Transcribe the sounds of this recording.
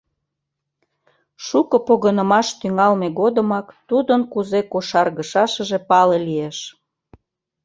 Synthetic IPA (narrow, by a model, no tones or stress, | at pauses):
ʃukəpoɣənə̆mɑʃt̪yŋɑlmeɣod̪əmɑkt̪ud̪ənkuzekoʃɑrɣəʃɑʃə̆ʒepɑlelieʃ